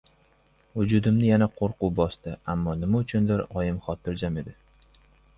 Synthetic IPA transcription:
vʊd͡ʒʊd̪ɪmnɪjanaqʰoɾqʊwbɒst̪ɪamːɒnɪmaʊt͡ʃʰʊnd̪ɪɾɒjɪmχɒt̪ʰɪɾd͡ʒame̞d̪ɪ

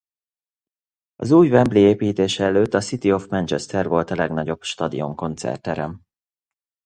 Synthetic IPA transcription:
ɒ̰zuːjvɛmblieːpiːt̪eːʃɛɛløːt̪ːɒsit̪io̞fmɛnt͡ʃɛst̪ɛrvo̞lt̪ɒlɛɡnɒɟo̞bʃt̪ɒd̪ḭo̞ŋko̞nt̪sɛ̰rt̪ɛɾɛm

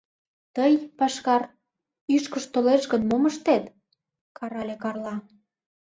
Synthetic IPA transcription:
t̪əjpɑʃkɑr | yʃkəʃt̪oleʃɣə̆nmoməʃt̪et̪ | kɑɾɑlʲekɑrlɑ

